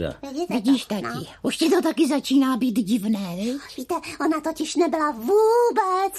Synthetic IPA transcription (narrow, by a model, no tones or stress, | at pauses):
a̰vɪivɪɟiːʃt̪akɪʔuʃcɪt̪o̞t̪akɪzat͡ʃiːnaːbiːt̪ɟɪvnɛːvɪviːt̪ɛʔonat̪ocɪʃnɛbɪlavuːbɛt͡s